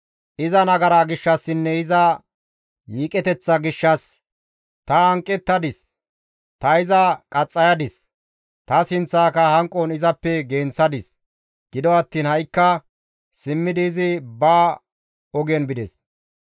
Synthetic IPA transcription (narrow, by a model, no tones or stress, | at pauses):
ʔɪzɐnɐɡɐɾaːɡɪʃːɐsːɪnːɛɪzɐ | jiːkʼɛt̪ɛt͡sːɐɡɪʃːɐs | t̪ɐɐŋkʼːɛt̪ːɐd̪ɪs | t̪ɐɪzɐkʼɐt͡sʼːɐjɐd̪ɪs | t̪ɐsɪnt͡sːaːkɐhɐŋkʼːɔnɪzɐpːɛɡeːnt͡sːɐd̪ɪs | ɡ̥ɪd̪ɔɐt̪ːiːnhɐjkːɐ | sɪmːɪd̪ɪːzɪbaː | ɔɡɛnbɪd̪ɛs